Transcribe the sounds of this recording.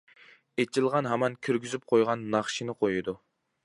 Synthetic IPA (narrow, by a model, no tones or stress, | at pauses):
et͡ʃʰilˠʁɑnɦɛmɑnkʲʰyɾɡʲyzyp̚qʰojʁɑnːɑχʃinɨqʰojud̪u